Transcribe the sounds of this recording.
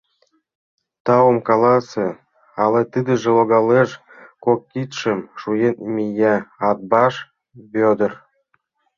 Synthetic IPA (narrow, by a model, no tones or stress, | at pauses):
t̪ɑwəmkɑlɑsĕ | ɑlet̪ɨd̪ə̆ʒĕloɣɑleʃ | kokːit̪ʃemʃujenmʲijæɑt̪̚bɑʃ | bød̪ə̆r